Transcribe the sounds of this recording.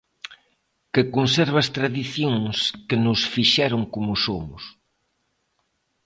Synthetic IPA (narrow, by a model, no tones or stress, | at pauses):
kɪkonsɛɾβɐst̪ɾaðiθjoŋskenʊsfiʃɛɾʊŋkomʊsomʊ̰s